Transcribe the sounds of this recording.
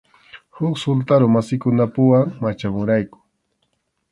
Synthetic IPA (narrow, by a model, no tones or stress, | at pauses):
hʊksʊlt̪aɾʊmasɪkʊnapʊwaŋmat͡ʃamʊɾajkʊ̥